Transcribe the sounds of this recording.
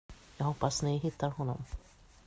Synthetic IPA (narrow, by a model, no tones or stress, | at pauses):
jɑːɡɦɔpːasnɪɦɪt̪ʰːaɾhɔnːɔ̰m